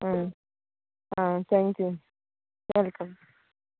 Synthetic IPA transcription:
a | ãt̪ʰaŋkju | ʋɛlkəm

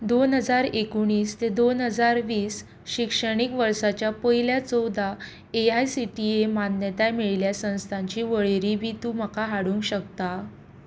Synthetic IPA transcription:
d̪onɦəd͡zaɾekuɳ̃iːst̪ed̪onɦəd͡zaɾʋiːs | ɕikʂəɽ̃ikʋəɾsat͡ɕjapəɦiljat͡sɔwd̪ʱa | eajsiʈiemannjət̪ajmiɭljasə̃w̃st̪ʰãɲt͡ɕiːʋəɭeɾibʱiːt̪uːməkaɦaɽũŋkɕəkt̪a

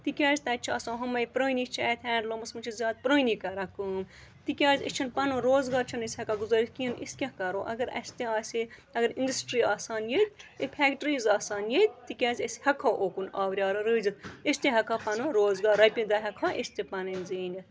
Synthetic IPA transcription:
t̪ikʲaːzʲt̪ɐt͡ʃʰɐːsãːɦɐmɐjpɾoːnit͡ʃʰɐt̪ʰɛːɳɖlomɐsmɨt͡ʃʰizʲjaːd̪̚pɾəːnikɐɾɐkɨːmt̪ikʲaːzʲḭt͡ʃʰɐnpɐnɨɾoːzɡaːɾt͡ʃʰɐnɐsʲhɐkaɡuzɐɾikinḭskʲɐkɐɾoːʔɐ̰ɡɐɾɐ̰sʲt̪ẽaːsʲiɐɡɐɾindɐsʈɾiːaːsaːnjet̪̚ʲipʰʲɛːkʈɾiːzaːsaːnjet̪̚t̪ikʲaːzʲɐsʲhɐkʰaːʔoːkunaːʋɾʲaːɾɐɾɨːzɨt̪isʲt̪ẽɦɐkʰapɐnɨɾoːzɡaːɾɐjpʲĩd̪ɐɦɐkʰaːʔesʲt̪ipɐnɨnziːni

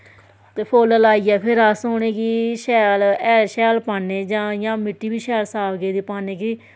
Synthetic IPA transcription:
t̪eːpʰoːləlaːiːɛːpʰɪɾəsoːnẽːkiːʃɛːlɛːlʃɛːlpaːnːeːd͡ʒãːjãːmɪʈːiːbiːʃɛːlsaːʋɡeːd̪iːpaːneːkiː

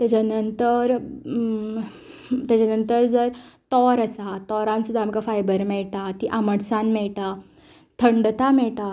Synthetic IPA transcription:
t̪at͡ɕanənt̪əɾ | t̪jat͡ɕanənt̪əɾd͡zəɾt̪ɔɾəsat̪ɔɾãnsud̪ʱːamkafajbəɾmɛɭt̪at̪iʔaməɽsanmɛɭt̪a | t̪ʰəɳɖt̪amɛɭʈ̪a

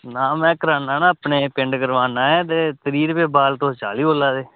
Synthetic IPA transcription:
nãːmɛ̃ːkəɾaːnãːnãːəpneːpɪɳɖɡəɾʋaːnãːɛ̃ːt̪̬eːt̪əɾiːɾpeːbaːlt̪õːt͡ʃa̰ːliːoːlaːd̪eː

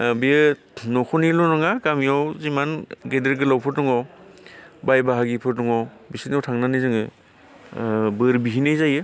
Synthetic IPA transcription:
bijɯ | nɔkʰɔnilɔnɔŋakamijawzimanɡedeɾɡɯlawpʰɯɾtɔŋɔw | bajbaɦaɡipʰɯɾtɔŋɔw | bisitniawtʰaŋnanɯjzɯŋɯ | bɯɾbiɦinɯjzajɯ

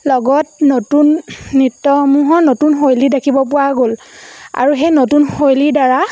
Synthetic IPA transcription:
lɔɡɔtnotunːitːɔmuɦɔnotunxojlidakʰibɔp̬ʊwaɡola̰ɹuxejnotunxojlidaɹa

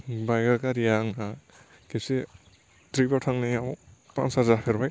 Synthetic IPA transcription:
bajɡakaɾijaŋa | kese | tɾibɔtʰaŋnajawpa̰nshazapʰeɾbaj

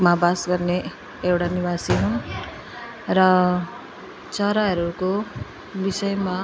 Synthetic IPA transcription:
mabasɡʌrne | ewʈanibasiɦun | rʌ | t͡sʌɾaɦʌɾuko | bisʌjma

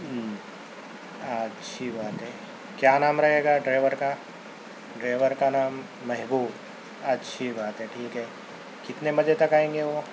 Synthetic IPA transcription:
ətːʃʰibaːt̪ɦɛː | kjaːnaːmɾɐɦeːɡaɖɾeːʋəɾka | ɖɾeːʋəɾkanaːmː | ɛɦbuːb | ɐtːʃʰibaːt̪ɦɛʈʰiːkɦɛː | kɪt̪nemɐd͡ʒet̪ɐkaːẽːŋɡeʋo

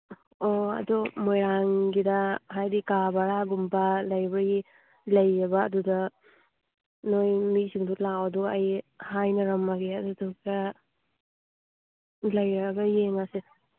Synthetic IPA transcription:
oɐ̰dumojɾaŋɡidɐhajdikabaɾaɡumbalɐjbɐɡi | lɐjɾɐbɐːdudɐ | nojmisiŋdulawɐduɐjhajnɐɾɐmːaɡeɐduduɡidɐ | lɐjɾɾɐbɐjenase

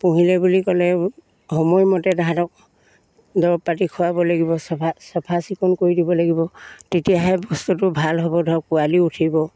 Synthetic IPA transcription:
puɦilɛbulikɔlɛ | hɔmɔjmɔtɛdadɔk̚ | dɔɹɔpːatikʰɔwabɔlaɡibɔsasɔpʰasikɔnkoɹidibɔlaɡibɔtetijaɦɛbɔstutʊbʱalɦɔbɔdʱɔkualiutʰibɔ

